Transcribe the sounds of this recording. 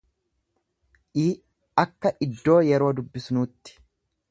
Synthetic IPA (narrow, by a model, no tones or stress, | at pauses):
ʔiː | ɐkːɐʔɪd̪ːo̞ːjɛɾo̞ːd̪ʊbːɪsnuːt̪ːɪ̥